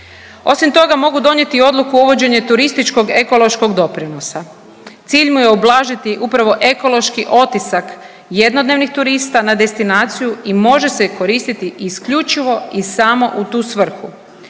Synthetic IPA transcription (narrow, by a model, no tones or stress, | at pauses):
o̞simt̪o̞ɡamo̞ɡud̪o̞ɲje̞t̪io̞d̪lˠukuuʋo̞d͡ʑe̞ɲe̞t̪uɾist̪it͡ʃko̞ɡe̞ko̞lˠo̞ʃko̞ɡd̪o̞pɾino̞sa | t̪siːʎmujeoblˠaːʒit̪iʔupɾaʋo̞ʔe̞ko̞lo̞ʃkiʔo̞t̪isak | je̞d̪no̞d̪ne̞ʋnixt̪uɾist̪anad̪e̞st̪inaːt̪sijuimo̞ʒe̞seko̞ɾiːst̪it̪iʔiskʎut͡ʃiʋo̞isamo̞ʔut̪uːsʋr̩xu